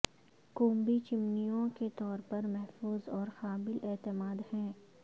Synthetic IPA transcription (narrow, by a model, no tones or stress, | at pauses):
kõːmbit͡ʃɪmnijõket̪ɔːɾpɐɾmɛɦfuːzɔːɾxaːbɪlʔɛːt̪ɪmaːd̪hɛ̃ː